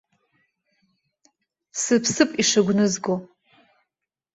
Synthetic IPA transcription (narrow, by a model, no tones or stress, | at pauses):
sɨpʰsɨpʼiʂaɡʷnɨzɡo